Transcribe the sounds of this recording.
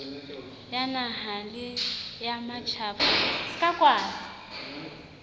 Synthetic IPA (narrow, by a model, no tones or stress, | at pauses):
janaɦalɪjamat͡ʃʰaːpaskʼakʼwaːzɪ